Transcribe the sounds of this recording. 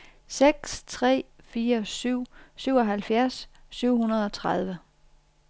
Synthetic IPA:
seɡ̥st͡sʰʁɛ̰ː | fiːɐsyʊ̰syʊ̰ɒ̽ɦælfjæɐsː | yʊ̰hunɐð̞̩ˠɒ̽t͡sʰʁɑð̞ˠʋə

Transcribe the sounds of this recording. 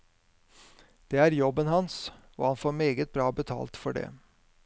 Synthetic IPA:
d̪̥eːæːɾjɔbənhɑns | o̰ːhɑnfoːɾmeːɡət̪̚bɾɑːbət̪ʰɑ̰ːlt̪fɔɖḛː

